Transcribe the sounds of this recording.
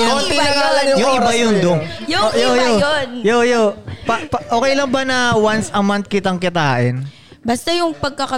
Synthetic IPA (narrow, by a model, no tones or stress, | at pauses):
t̪ɪnɐŋaːlɐŋjjoɾɐjʊnd̪oŋjʊojojoonjojopɐpɐʔoːkɛjlɐŋbɐnɐwansɐmant̪̚kɪt̪ɐŋkɪt̪aːʔɪn | bast̪ɐjʊŋpɐɡ̚kɐkɐ